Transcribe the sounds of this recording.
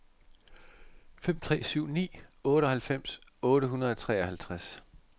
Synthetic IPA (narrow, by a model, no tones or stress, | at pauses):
fem̰t͡sʰʁɛ̰ːsyʊ̰nḭːɔ̽ːɾəɒ̽hælfem̰sɔ̽ːɾ̥əɦunɐð̞ˠɒt͡sʰʁɛ̰ːɒhælt͡sʰʁas